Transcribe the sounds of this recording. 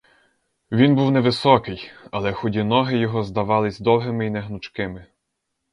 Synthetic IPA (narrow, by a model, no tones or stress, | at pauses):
ʋʲinbuwnɛʋɪsɔkɪjɐlˠɛxɔdʲinɔɦɪjɔɦɔzd̪ɐʋɑlˠɪzʲd̪ɔwɦɪmɪinɛɦnʊt͡ʃkɪmɪ